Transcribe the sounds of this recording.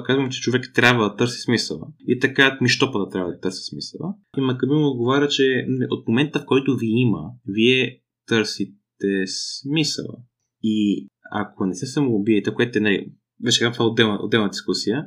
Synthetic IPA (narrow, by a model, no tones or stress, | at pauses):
kazvɐmt͡ʃɛ̥t͡ʃovɛkt̪ɾʲabvəd̪ɐt̪ɤɾsi̥smisəlˠə̰ḭɛt̪ɐkat̪miʃt̪ɔpəd̪ɐt̪ɾʲabvɐd̪ɐt̪əɾsi̥smisə̰lˠə̰ | imɐkəbimod̪̚ɡovaɾʲət͡ʃɛiʔot̪momɛnt̪əfkɔjt̪oviiməviɛ | t̪ɤɾsit̪ɛsmisə̰lˠə̰ | ia̰kʰonɛsɛsɐmoobiɛt̪ɛkoɛt̪ɛnalḭ | vɛt͡ʃɛ̥kat̪vaɛod̪ːɛlˠnəʔo̰d̪ɛlˠnəd̪iskusijə